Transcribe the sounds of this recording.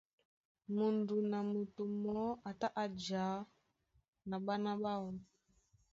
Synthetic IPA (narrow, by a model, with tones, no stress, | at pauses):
mu˨ndu˨na˨mu˨tu˨mɔ˦a˨ta˦ʔa˨d͡ʒa˨˦ | na˨ɓa˦na˦ɓa˦ɔ˨n